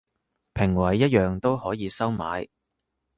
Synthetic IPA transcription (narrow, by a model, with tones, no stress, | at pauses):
pʰɪ˨˩ŋwɐ˨˩jːɐ˥t̚jœː˨ŋt̪o˥whɔː˨˥jiː˨˧sɐ˥wma̰ː˨˧j